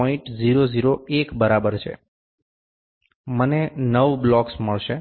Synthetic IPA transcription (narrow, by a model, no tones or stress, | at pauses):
ɔĩʈd͡ʒiɾod͡ʒiɾoekbəɾabəɾt͡ʃʰḛ | mənenəʋblɔksməɭʃe